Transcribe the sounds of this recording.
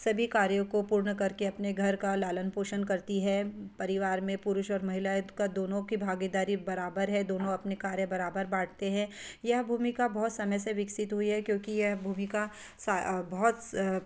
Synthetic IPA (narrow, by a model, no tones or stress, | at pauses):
sɐbʱikaːɾjõkopuːɾɳəkɐɾkeɐpneɡʱɐɾkalaːlənpoːʃənkɐɾt̪iɦɛpɐɾɪʋaːɾmẽpʊɾʊʃɔːɾmɐɦɪlajkad̪oːnõkibʱaːɡid̪aːɾibɐɾaːbəɾɦɛ̃d̪oːnõɐpnekaːɾjəbɐɾaːbəɾbaːʈʰt̪eɦɛ̃jɐɦbʱuːmikabɔɦːʊt̪sɐməjseʋɪksɪt̪ɦʊiɦɛkjõːkijɐɦbʱuːmɪka | sabɔɦt̪